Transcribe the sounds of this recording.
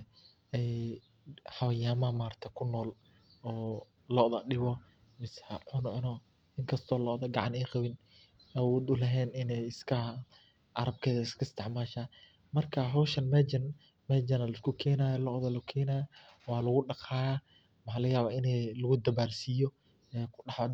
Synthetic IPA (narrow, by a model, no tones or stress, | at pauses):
ɛ | ħɑβɐjaːmɐmaːɾt̪ʰɐkʰʊnːɔːl | ɔː | lɔːðɐɗɪβɔ | mɪsʕʊnɔʔɪnɔ | ɪŋkʰɐst̪ʰɔːlɔːðɐɡɑʕɑniːqɑβɪn | ɛʊd̪ʊlɐɦɛːnɪnɛjɪskʰɐ | ʔɐɾɐb̚kʰɛːðɐɪskʰɐst̪ʰɛʕmaːʃaː | mɐrkʰɐɦɔwʃɐnmɛd͡ʒɐn | mɛd͡ʒɐnɐlɪskʰʊkʰɛːnaːjɐlɔʔðɐlʊkʰɛːnaja | wɑːlɐɣʊɖɑqaːjaː | mħaːlɐɣjaːβaːɪnɛlɐɣʊd̪ɐbaːlsiːjɔ | ɛːkʰʊɗɑħɔ